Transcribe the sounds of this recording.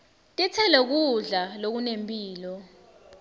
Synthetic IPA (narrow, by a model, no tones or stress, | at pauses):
tʼɛt͡sʰɛlɛk̬uɮalok̬unempʼiːlɔ